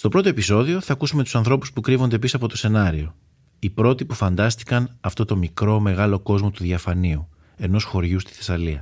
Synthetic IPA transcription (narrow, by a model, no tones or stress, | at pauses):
st̪o̞pɾo̞t̪o̞e̞piso̞ðio̞θɐkusume̞t̪u̥sɐnθɾo̞pu̥spukɾivo̞nd̪e̞pisɐpo̞t̪o̞se̞nɐɾio̞ | ipɾo̞t̪ipufɐnd̪ɐst̪i̥kɐnɐft̪o̞t̪o̞mikɾo̞me̞ɣɐlo̞ko̞zmo̞t̪uðiɐfɐniu | e̞no̞sxo̞ɾʝust̪i̥θe̞sɐliɐ